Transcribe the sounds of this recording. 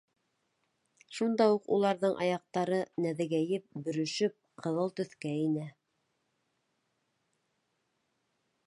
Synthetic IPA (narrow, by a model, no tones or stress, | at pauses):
ʃund̪ɑuqṵlˠɑɾðɤɴʔɑ̰jɑq̚t̪ɑɾɤnæðɘɡæjɘp̚bɵ̆ɾɵ̆ʃɵp̚qʰɤ̆ðɤlˠt̪ɵ̆θkæinɘ